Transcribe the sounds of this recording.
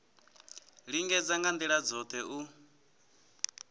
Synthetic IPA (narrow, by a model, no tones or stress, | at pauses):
ɺiŋɡɛd͡zaŋɡand̪iɺad͡zɔt̪ʰɛʔu